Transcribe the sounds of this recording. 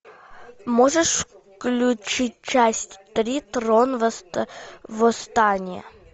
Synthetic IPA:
moʐəʂf | klʲʊt͡ɕit̚ʲt͡ɕæsʲtʲt̪ɾʲit̪ɾonvst̪vɔst̪anʲɪə̰

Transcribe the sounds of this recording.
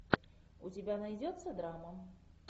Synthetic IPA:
ut͡sʲibʲanajd͡zʲɔt̪sːɐd̪ɾamɐ

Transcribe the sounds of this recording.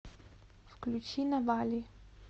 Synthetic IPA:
fklʲut͡ʃinavalʲi

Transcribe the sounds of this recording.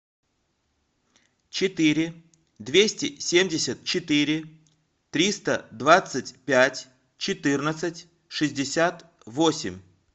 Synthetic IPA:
t͡ɕɪt̪ɨɾʲɪ | d̪vʲesʲtʲɪsʲemʲdʲɪsʲət̪̚t͡ɕɪt̪ɨɾʲɪ | t̪ɾʲist̪əd̪vat̪sɨtʲpʲætʲ | t͡ɕɪt̪ɨrnət̪sɨtʲ | ʂɨzʲdʲɪsʲat̪ | vo̞sʲɪ̰mʲ

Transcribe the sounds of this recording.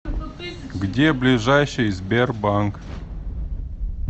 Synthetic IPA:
ɡdʲeblʲɪʐajɕɨjzʲbʲerbaŋk

